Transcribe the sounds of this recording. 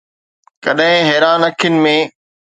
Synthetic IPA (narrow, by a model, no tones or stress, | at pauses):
kɐɗɦɪ̃ɦɛːɾaːnɐkʰijənɪ̆mẽ